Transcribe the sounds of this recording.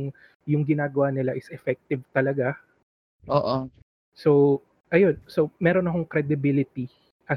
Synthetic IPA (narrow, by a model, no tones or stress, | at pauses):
ŋ | jʊŋɡɪnaːɡɐwanɪlaʔɪsʔɛfɛk̚t̪ɪvt̪ɐlɐɡa | ʔoːʔo | so | ʔɐjo̞nsomɛːɾo̞nɐkoŋkɾɛd̪ɪbilɪt̪i | ʔɐ